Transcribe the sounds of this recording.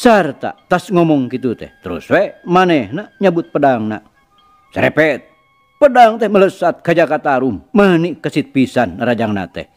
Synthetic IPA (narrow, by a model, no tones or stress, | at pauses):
sərt̪a̰t̪asŋɔmɔŋkit̪ut̪ɛ̰ht̪əɾṵswɛmanɛhnaɲabut̪̚pədaŋna̰ | səɾḛpɛt̪̚ | pədaŋt̪ɛhmələsat̪̚kad͡ʒakat̪aɾumːənikəsit̪̚pisanaɾad͡ʒaŋna̰t̪ɛ̰h